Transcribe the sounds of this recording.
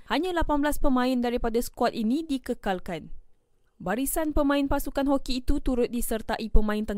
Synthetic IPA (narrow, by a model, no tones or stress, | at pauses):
haɲãlapanbəlaspəmãɪndaɾipadasə̥kuat̪inĩdikəkalkan | baɾisanpəmãɪnpasukanɦokiːt̪ut̪uɾʊt̪̚disərt̪aʔipəmãɪnt̪ə